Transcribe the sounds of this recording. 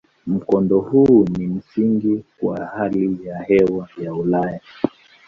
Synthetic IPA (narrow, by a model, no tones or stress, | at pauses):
m̩kɔndɔhunim̩siŋɡikwahalijahɛwajaulaja